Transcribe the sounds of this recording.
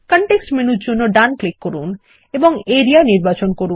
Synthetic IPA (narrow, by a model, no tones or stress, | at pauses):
kɔɳʈeksʈmenutd͡ʑonːoɖanklikːoɾun | eboŋeɾianiɾbat͡ɕonkoɾu